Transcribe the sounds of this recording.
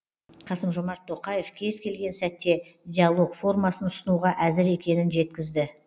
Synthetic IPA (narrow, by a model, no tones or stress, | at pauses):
qʰɑsəmʒo̞mɑɾt̪ʰːo̞qɑje̞fkʲʰe̞zkʲʰe̞lɡʲe̞nsæt̪ːe̞dʲialˠo̞kfo̞rmɑsənʊsənuʁɑʔæzɪɾe̞kʲe̞nɪnʒe̞t̪kʲɪzd̪ɪ